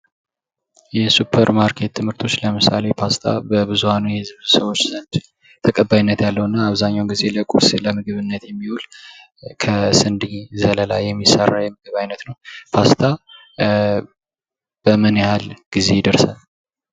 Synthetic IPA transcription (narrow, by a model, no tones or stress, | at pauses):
jɛsupʰːəɾmaɾkʰe̞t̪ʰːɨmhɨɾt̪ʰo̞t͡ʃːləmɨsa̰le̞pʰast̪ʰa̰bəbɨzuhanujɛhɨzβsəwo̞t͡ʃːsənt͡ʃɪ | t̪ʰəkʼəbːajinːət̪jalːəwɨnːaːβzaɲːawɡize̞ləkʼṵsləmɨɡɨβɨnːət̪jɛmːiwul | kʰəsɨnd̪iɲzələla̰jːɛmːisːərːajɛmɨɡɨβajnət̪nəwpʰast̪ʰa | b̥əmənehalɡ̥izejɪd̪əɾsal